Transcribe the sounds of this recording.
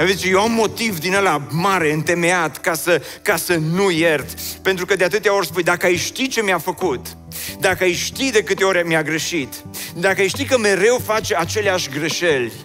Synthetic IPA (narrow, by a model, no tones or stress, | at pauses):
avzit͡ʃejewamːo̞t̪ivd̪inalamaɾe̞ɨnt̪e̞me̞at̪kasəkasənujert̪pe̞nt̪ɾukəd̪eat̪ɨt̪eao̞rspujd̪akəajʃt̪it͡ʃe̞mjafəkut̪ | d̪akəajʃt̪id̪e̞kɨt̪e̞oɾʲmjaɡɾeʃit̪d̪akəajʃt̪ikəme̞ɾe̞wfat͡ʃeat͡ʃe̞leaʃʲɡɾeʃelʲ